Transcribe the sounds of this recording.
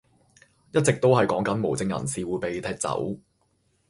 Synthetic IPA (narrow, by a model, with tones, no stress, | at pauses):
jɐ˥t̚t͡sɪ˨k̚t̪o˥whɐ˨jkɔː˨˥ŋkɐ˨˥nmo˨˩wt͡sɪ˧ŋjɐ̰˨˩nsiː˨wuː˨˧jpe˨jt̪ʰɛː˧˥t̚t͡sɐ̰˨˥w